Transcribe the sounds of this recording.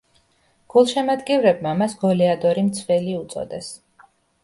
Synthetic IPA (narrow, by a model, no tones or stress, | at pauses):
ɡ̥ulˠʃɛmad̪ɡɛvɾɛbmamasɡ̥ɔlɛad̪ɔɾimt̪sʰvɛliut̪sʼɔ̰d̪ɛs